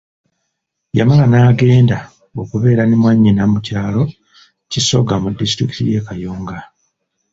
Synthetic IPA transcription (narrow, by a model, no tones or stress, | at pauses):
ja̰malanaːɡe̞ːnda | okuβe̞ːɾanimwaɲːinamucaːlo̞ | ciso̞ɡamudːistɾiki̥tije̞ːkajoːŋɡa